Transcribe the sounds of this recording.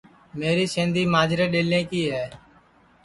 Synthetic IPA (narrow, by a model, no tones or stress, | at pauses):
meːɾiːsẽːnd̪iːmaːd͡ʒɾẽːɗeːlẽːkiːɦɛː